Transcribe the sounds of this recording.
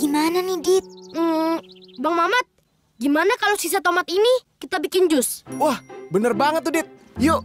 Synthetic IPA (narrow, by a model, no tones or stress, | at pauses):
ɡ̥imananihdɪt̪̩̚ː | baŋmamat̪̚ | ɡimanakalosis̬at̪omat̪inikit̪abikɪnd͡ʒʊswahbənərbaŋət̪̚ːudɪt̪̚ | jo